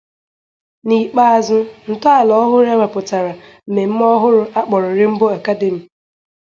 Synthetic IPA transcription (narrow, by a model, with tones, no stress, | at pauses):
ni˨k͡pa˦a˨zʊ˦n̩˨tʊ˦a˨lɔ˦ɦʊ˦ɾe˦wʷe˨pʊ˨ta˨ɾa˨m̩˨me˨m̩˦m˦ɔ˦ɦʊ˦ɾʊ˦a˦k͡pɔ˨ɾʊ˨ɾɪ˦m̩˦bo˦a˨ka˦de˨mi˨